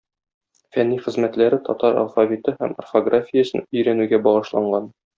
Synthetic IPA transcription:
fænːiχɘ̆zmæt̪læɾɘt̪ɒ̰t̪ɑɾɐ̰lˠfavʲit̪ɤhæmɐ̰rfoɡrafʲijəsɤnɵ̆jɾænʉɡæbɒʁɤ̆ʃlˠɑɴɢɑn

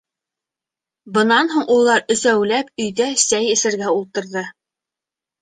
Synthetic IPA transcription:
bɤ̆nɑnɦuɴʔulˠːɑɾɵ̆zæwlæp̚ɵ̆jðæsæjɘ̆sɘ̆ɾɡæulˠt̪ɤ̆ɾðɤ

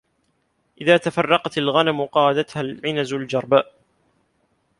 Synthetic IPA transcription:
ʔɪðaːt̪afɑrˤːɑqɑt̪alɣanamʊqɑːɑd̪at̪halʕɪnazald͡ʒɑɾˤba

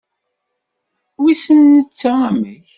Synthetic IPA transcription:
wisənːət͡sːaæməç

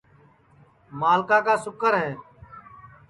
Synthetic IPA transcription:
maːlkaːkaːsʊkəɾɦɛː

